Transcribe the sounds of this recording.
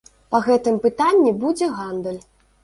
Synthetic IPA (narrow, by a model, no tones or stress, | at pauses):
pɐɣɛt̪ɨmpɨt̪anʲːibud͡zʲɛɣand̪ɨlʲ